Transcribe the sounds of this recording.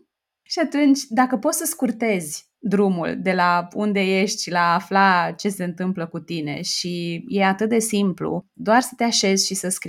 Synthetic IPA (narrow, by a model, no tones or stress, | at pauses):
ʃiat̪unt͡ʃʲd̪akəpo̞t̪səskurt̪e̞zʲ | d̪ɾumṵld̪e̞laund̪e̞je̞ʃt̪ʲlaːflat͡ʃe̞se̞ɨnt̪ɨmpləkut̪ine̞ʃije̞at̪ɨt̪̚d̪e̞simplṵd̪oarsə̥t̪e̞aʃe̞zʲʃisəskɾi